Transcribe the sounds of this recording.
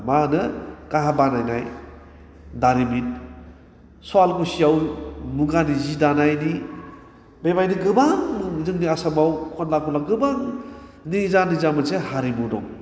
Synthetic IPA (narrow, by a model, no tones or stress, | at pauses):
manɯkaɦabanajnaj | daɾimit̚ | swalkusijawmuɡanizidanajni | bebajniɡɯbaŋmɯzɯŋniasamawkʰɔnlakʰɔlaɡɯbaŋnizanizamɯsehaɾimudɔ̰ŋ